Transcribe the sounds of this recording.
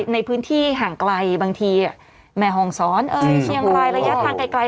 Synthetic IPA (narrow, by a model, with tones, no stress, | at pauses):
na˧jpʰɯː˦˥nt̪ʰiː˥˩ɦaː˨˩ŋkla˧jbaː˧ŋt̪ʰiː˧ʔa˨˩ | mɛː˧ɦɔː˧˩ŋsɔː˩˦nʔɤː˧jkʰi˧əŋɾaː˧jɾa˧ja˦˥t̪ʰaː˧˩ŋka˧jkla˧